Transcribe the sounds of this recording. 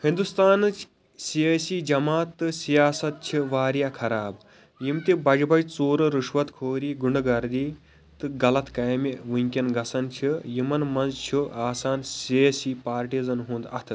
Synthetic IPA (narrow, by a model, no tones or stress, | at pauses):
hĩnd̪ust̪aːnɨt͡ʃʰ | siəːsid͡ʒɐmaːt̪ːɨsijaːsɐt̪̚t͡ʃʰiʋaːɾjaːkʰɐɾaːb | jimt̪ibɐd͡ʒbɐjt͡soːɾɨɾuʂʋɐt̪kʰoːɾiːɡuɳɖɡɐɾd̪iː | t̪ɨɡɐlɐt̪kɐjmiʋuŋʲkʲɐnɡɐsɐnt͡ʃʰijimɐnmɐnzt͡ʃʰuʔaːsaːnsiəsipaːɾʈizɐnɦũːnd̪ɐ̰t̪ʰɨ